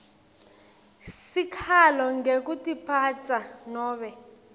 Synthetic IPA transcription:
sikʰalɔŋɡekutipʰat͡sanɔːɓɛ

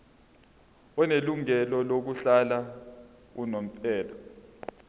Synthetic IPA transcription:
ɔneluŋɛlɔlok̬uɬala | kunom̩pʼɛːlɔ

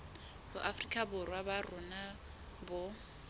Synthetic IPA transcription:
bʊʔafrikʼabʊrwabarʊna | bɔ

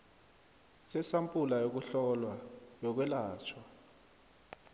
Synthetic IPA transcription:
sɛsampʼulajok̬uɬɔlwajɔk̬wɛlaːt͡ʃʰwa

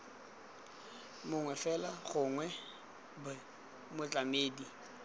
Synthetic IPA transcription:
mʊŋwɛfɛlaχʊŋwɛ | bɛ | mʊt͡ɬʼameːdi

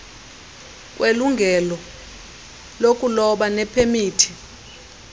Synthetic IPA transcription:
kʼweluŋɡʱɛlɔ | lokʼulɔɓanɛpʰemiːtʰi̥

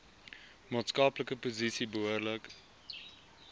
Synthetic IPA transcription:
mɑːtskɑːpləkəpozisibəuərlək

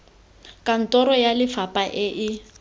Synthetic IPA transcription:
kʼan̩tʼɔɾɔjalɪfapʼaʔɪʔɪ

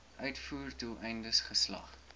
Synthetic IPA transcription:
ʔœɥtfuːrdulˠʔɛjndəsχəslɐ̰χ

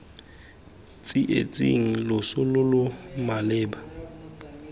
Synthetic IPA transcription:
t͡sʼiʔḛt͡sʼḭŋ̩lʊsʊlʊlʊmalɪːba

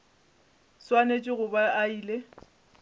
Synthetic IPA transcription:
swanet͡ʃʼɪɣʊbaaiːle

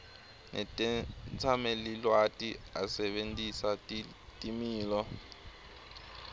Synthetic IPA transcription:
nɛtʼɛt͡sʰamɛlilwatʼia̰sɛɓentʼisa | tʼimiːlɔ

